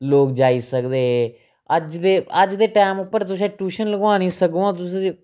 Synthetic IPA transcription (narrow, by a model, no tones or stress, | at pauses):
loːkd͡ʒaːiːsəkd̪eːɦː | əd͡ʒd̪eːəd͡ʒd̪eːʈaːmʊpːəɾt̪ʊs̬ẽːʈuːʃənləɡãːniːsəkõːãːt̪ʊsĩː